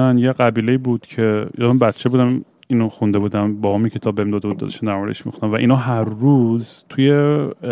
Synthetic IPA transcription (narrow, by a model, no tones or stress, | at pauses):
ænjeɢæbiːle̞iːbuːd̪̥cʰe̞jɒːmænbæt̪t͡ʃʰe̞bud̪æm | inoxund̪e̞buːd̪ænbɒːɔːmikʰet̪ʰɒːbeemd̪ɒːd̪e̞bud̪ɒ̰d̪eʃund̪æɾmɒɾed̪ḛʃmḭxund̪ænvæʔḭːnɒːɦæɾːuːz̥t̪ʰuje